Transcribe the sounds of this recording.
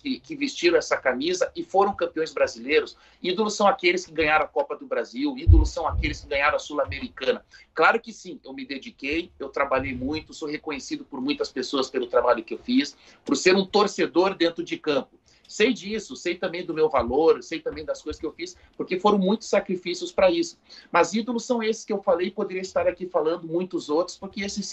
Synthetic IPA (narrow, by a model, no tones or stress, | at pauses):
kɪkɪvist͡ʃiɾɐ̃ɛsɐkamizɐʔɪfoɾɐ̃w̃kɐ̃piõj̃zbɾazilejɾʊs | id̪olʊsɐ̃w̃akelɪskɪɡɐ̃ɲaɾɐ̃akɔpɐd̪ʊbɾaziwid̪olʊsɐ̃w̃akelɪskɪɡɐ̃ɲaɾɐ̃asulameɾikɐ̃nɐklaɾʊkɪsĩewmɪd̪ed͡ʒikejewt̪ɾabaʎejmũj̃t̪ʊsohekõɲesid̪ʊpoɾmũj̃t̪ɐspesoɐspelʊt̪ɾabaʎʊkɪewfis | poɾseɾũt̪oɾsed̪oɾd̪ẽnt̪ɾʊd͡ʒɪkɐ̃mpʊ | sejd͡ʒisʊsejt̪ɐ̃mbẽj̃d̪ʊmewvaloɾsejt̪ɐ̃mbẽj̃d̪ɐskojzɐskɪewfis | poɾkefoɾɐ̃w̃mũj̃t̪ʊ̥sakɾifisiʊspɾɐisʊ̥mɐzid̪olʊsːɐ̃w̃esɪ̥skɪewfalejɪpod̪eɾiɐɪst̪aɾakifalɐ̃nd̪ʊmũj̃t̪ʊzowt̪ɾʊ̥spoɾkɪesɪs